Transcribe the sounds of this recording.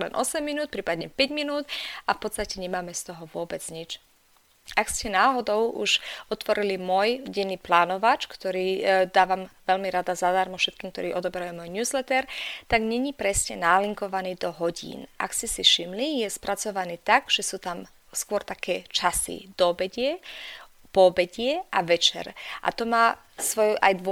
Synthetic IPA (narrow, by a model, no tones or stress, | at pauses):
lɛnʔɔsɛmːinuːt̪̚pɾiːpad̪ɲɛpɛɟminuːt̪afpɔt̪t͡st̪acɛɲɛmaːmɛst̪ɔɦɔʋʊɔbɛd͡zɲit͡ʃ | akscɛnaːɦɔd̪ɔʊʔuʃɔt̪ʋɔɾilimʊɔjɟɛnːiːplaːnɔʋat͡ʃkt̪ɔɾiːd̪aːʋamʋɛʎmiɾad̪azad̪aɾmɔfʃɛt̪̚kiːmk̚t̪ɔ̰ɾiːʔɔd̪ɔbɛɾajuːmɔjɲjuːzlɛt̪ɛɾt̪aɡɲɛɲipɾɛsɲɛnaliŋkɔʋaniːd̪ɔɦɔɟḭːnʔa̰kscɛsiʃimlijɛspɾʔat͡sɔʋaniːt̪aɡʒ̥ɛsuːt̪am | skʊɔɾt̪akɛːt͡ʃasḭd̪̥ɔbɛɟɪɛ | pɔbɛɟɪɛʔaʋɛt͡ʃɛ̰ɾʔa̰t̪ɔmaː | sʋɔjʔa̰jd̪ɔ